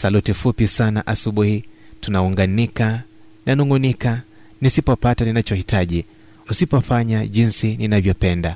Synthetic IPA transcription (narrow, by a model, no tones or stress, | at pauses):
salutifupisanaʔasuɓuhitunauŋɡanika | nanuŋɡunika | nisipɔpataninat͡ʃɔhitaʄi | usipɔfaɲaʄinsininavjɔpɛnda